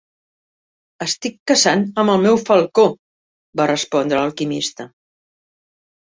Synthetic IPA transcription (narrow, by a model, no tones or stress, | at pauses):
əst̪ikːəzanəməlˠmɛwfəlˠko | barəspɔnd̪ɾələlˠkimist̪ə